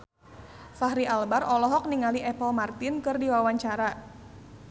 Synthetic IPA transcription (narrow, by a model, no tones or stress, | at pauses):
faɦɾiʔalbarɔlɔɦɔk̚niŋaliʔɛpɔlmart̪ɪnkɨrdiwawaɲt͡ʃaɾa